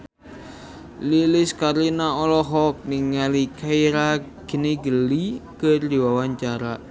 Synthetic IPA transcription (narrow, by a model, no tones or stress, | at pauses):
lilɪskaɾinaɔlɔɦɔk̚niŋːalikʰaiɾaɡ̥ə̤niɡəlikərd̪iwawaɲt͡ʃaɾa